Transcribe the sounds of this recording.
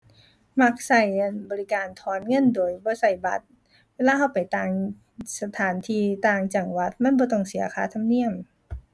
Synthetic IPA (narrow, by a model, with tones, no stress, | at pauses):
ma˧˥k̚sa˧˩jbɔː˨li˦˧˩kaː˨˩nt̪ʰɔː˨˦nŋɤ˧˥˨ndoː˨˩jbɔː˧˦sa˧˩jba̰˨˦t̪̚ | weː˧˥˨laː˧ha˧˩wpa˨˩jt̪aː˧˩ŋ | sa˧t̪ʰaː˨˦nt̪ʰiː˧˩t̪aː˧ŋt͡ɕa˨˩ŋwa˧˦t̪̚ma˧˥˨nbɔː˧˦t̪ɔ˧˩ŋsi˨˩˦ɐkʰaː˧˦t̪ʰa˧˨mni˧˥˩əm